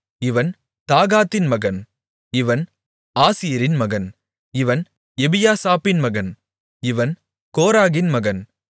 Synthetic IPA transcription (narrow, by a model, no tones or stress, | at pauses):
ɪʋɐn | t̪aːɣaːt̪ːɪnmɐɣɐn | ɪʋɐn | aːsɪjɐɾɪnmɐɣɐn | ɪʋɐn | ɛbɪjaːsaːpɪnmɐɣɐn | ɪʋɐn | koːɾaːɣɪnmɐɣɐn